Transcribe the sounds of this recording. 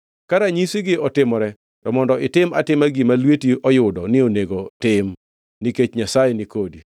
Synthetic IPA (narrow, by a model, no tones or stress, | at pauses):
kaɾaɲisiɡɪɔtɪmɔɾɛ | tɔmɔndɔɪtɪma̰tɪmaɡimalwetiɔjʊdɔnɪoneɡotɪm | niket͡ʃɲasajɛnɪkodi